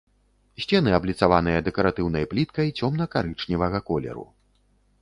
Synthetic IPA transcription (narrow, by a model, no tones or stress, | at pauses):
sʲt͡sʲɛnɨablʲit̪savanɨjɐd̪ɛkɐɾat̪ɨwn̪ɐjplʲit̪kɐjt͡sʲɔmn̪ɐkaɾɨt͡ʂnʲivɐɣɐkɔlʲɛ̰ɾṵ